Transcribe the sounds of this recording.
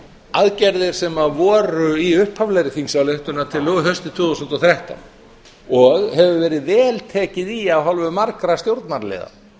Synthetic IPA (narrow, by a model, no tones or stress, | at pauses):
aðcɛɾðɪɾ̥sɛmavɔːɾʏiʏhphavlɛjɾɪθiŋsawleht̪ʏnat̪ʰɪlɔɣɦœst̪ɪt̪ʰvʏːðusɔnt̪ɔθɾaht̪a̰n | ɔɣhɛvʏvɛːɾɪðvɛːlt̪ʰɛːcɪðiaðɦɔlvʏmaɾkɾast̪jowɾt̪naɾlɛ̰ːða̰